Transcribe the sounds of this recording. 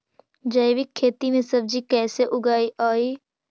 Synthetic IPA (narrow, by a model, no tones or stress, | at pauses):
d͡ʒəjʋɪkʰːeːt̪imẽsɐb̚d͡ʒikɛːseʔʊɡaːiʔaːiː